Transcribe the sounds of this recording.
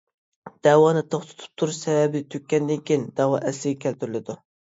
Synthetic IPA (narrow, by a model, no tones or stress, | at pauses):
d̪̥ɛwɑːnɨt̪ʰoχt̪ʰʊ̥t̪ʰu̥p̚t̪ʰuɾuʃsɛvɛbɪd̪ɪt̪ʰøkʲːɛnd̪ɪŋkʲijnd̪̥ɛwɑʔɛslɪɡʲɛkʲʰælt̪ʰyɾɪlɪd̪u